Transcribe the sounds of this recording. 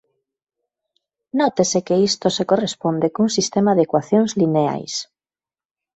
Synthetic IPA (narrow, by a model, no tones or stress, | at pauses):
nɔt̪esekeist̪osekorespond̪ekuŋsist̪emaðekwaθjoŋzlinea̰js